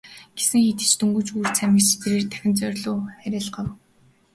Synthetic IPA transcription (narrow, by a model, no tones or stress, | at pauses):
ɡ̥esɘ̆ŋxiːt̪ɘ̥̆t͡ɕt̪ʰɵŋɡɵ̆t͡ɕurt͡sʰæmʲɪ̆kt͡ɕt̪ʰeɾeːrt̪ʰæ̥xʲɪ̆nt͡sœrʲɮʊːχæɾʲaːɮɢɔw